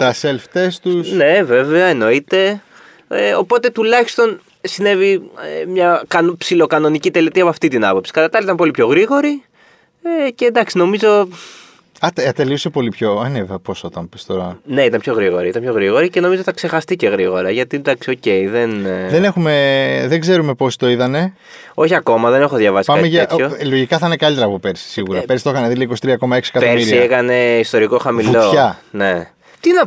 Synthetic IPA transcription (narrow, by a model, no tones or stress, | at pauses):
t̪ɐselft̪est̪usne̞ve̞veɐeno̞it̪e̞ | eo̞po̞t̪e̞t̪ulɐçi̥st̪o̞n | sine̞viemɲɐkɐnpsilo̞kɐno̞nicit̪elit̪iɐpoɐft̪it̪inɐpo̞psi̥kɐt̪ɐt̪ɐliit̪ɐmpo̞lipço̞ɣɾiɣo̞ɾi | ece̞nd̪ɐksino̞mizo̞ | ɐt̪ɐt̪eliusepo̞lipço̞ɐneveɐpo̞sot̪ɐmpist̪o̞ɾɐne̞it̪ɐnpço̞ɣɾiɣoɾiit̪ɐnmpço̞ɣɾiɣo̞ɾiceno̞mizoθɐkse̞xɐst̪ice̞ɣɾiɣo̞ɾɐʝɐt̪ind̪ɐksio̞ce̞iðenðene̞xume̞ðeɡze̞ɾume̞po̞si̥t̪o̞it̪ɐne̞ | o̞çiɐko̞mɐðe̞ne̞xo̞ðʝɐvɐsi̥pɐɐtmeiʝɐeʔ̪çolo̞ʝikɐθɐinekɐlit̪eɾɐpupeɾsi̥siɣuɾɐpe̞ɾsi̥t̪oxɐneðilikosi̥t̪ɾiɐko̞mɐeksi̥ekɐtoemisɾiiɐekɐne̞ist̪oɾiko̞xɐmilo̞çɐne | t̪inɐ